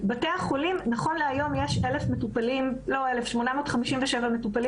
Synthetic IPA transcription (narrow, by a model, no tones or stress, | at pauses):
bateaχolimnaχo̞nleajo̞mjeʃelefmetupalimlo̞elefʃmonamoːt̪χamiʃimveʃevame̞tupali